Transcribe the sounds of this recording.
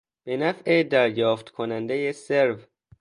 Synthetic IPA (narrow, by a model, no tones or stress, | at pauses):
b̥enæfʔed̪æɾjɒːft̪kʰonænd̪ejeseɾv